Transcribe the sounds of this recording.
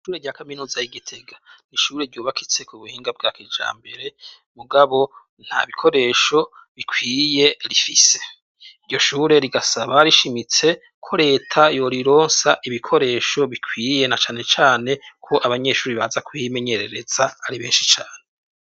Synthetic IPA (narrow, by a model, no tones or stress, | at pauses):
ʃuːɾeɾɟaːkaminuːzajiɡitʰe̞ɡaniʃuːɾeɾɟuːβakʰit͡se̞kuβuhiːŋɡab̚ɡakiːd͡ʒa̰ːmbe̞ɾe̞ | muɡaβo̞ | n̥ha̰βikʰo̞ɾe̞ːʃo̞ | βikʰwiːje̞ɾifise̞̥ | iɾjo̞ʃuːɾe̞ɾiɡasaβaɾiʃimit͡se̞ | kʰo̞ɾe̞ːtʰajo̞ɾiɾo̞ːnsaʔiβikʰo̞ɾe̞ːʃo̞βikʰwiːje̞nat͡ʃaːne̞t͡ʃaːne̞kʰo̞ʔaβaɲe̞ʃuːɾiβaːzakujime̞ɲe̞ɾe̞ɾe̞z̥aaɾiβe̞ːnʃit͡ʃaːne